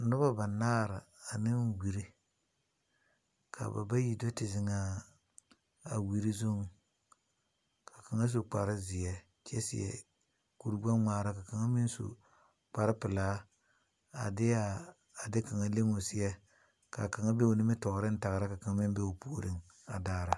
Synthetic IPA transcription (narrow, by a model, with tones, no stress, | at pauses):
n̩˦nʊ˦ba˦ba˨naː˦˨ɾɪ˨a˨nɪ˦ŋ˦wi˨ɾi˦ | kʰa̰˨ba̰˨ba˦ji˨do˦tɪ˨zɪ˨ŋa˦ | a˨wi˨ɾi˦zo˦ŋ | kʰa˨ka˨ŋa˦s̬o˨k͡pa˨ɾɪ˦zɪ˨ɛ˨ | t͡ʃɛ̰˦sɪ̰˨jɛ̰˨ | ku˨ɾba˦ŋʷaː˨ɾa˦ka˨ka˨ŋa˦mɪ˦n˦so̰˨ | k͡pa˨ɾɪ˦pɪ˨la˦ | a̰˨dɪ˦a˨ | a˨dɪ˦ka˨ŋa˦le˦ŋo˨sɪ˦jɛ˦ | ka˨ka˨ŋa˦be˦o˨nɪ˦mɪ˦tɔ˨ɾɪ˦n̩˦ta˨ɣɾa˦ka˨ka˨ŋa˦mɪ˦m˦be˦o˨pu˨ɾɪ˦ŋ | a̰˨daː˦˨ɾa˨